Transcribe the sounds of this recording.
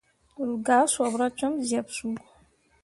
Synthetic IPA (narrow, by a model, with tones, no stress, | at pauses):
ɾu˨ɡaː˨˦sɔ˨bɾa˦t͡ʃɔ˦mzɛ˨bsu˦ɔ˨